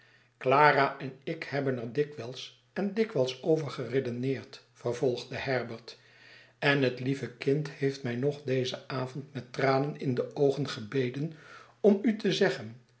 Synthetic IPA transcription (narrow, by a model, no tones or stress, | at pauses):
klaːraʔɛnɪkhɛbənəɹdɪkʋɛlˠs | ɛndɪkʋɛlˠsowvəɹχəredənɪːɹt | fəɹvɔlˠχdəɦɛɹbəɹt | ɛnɦətlivəkɪnthejftmɛjnɔχdejzəaːvɔntmɛtraːnənɪndəʔowχənχəbejdən | ɔmytəzɛχən